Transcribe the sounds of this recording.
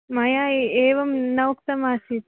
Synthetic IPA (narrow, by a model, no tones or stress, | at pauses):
mɐjaːeːʋɐmnɐʋwk̚t̪ɐmaːsit̪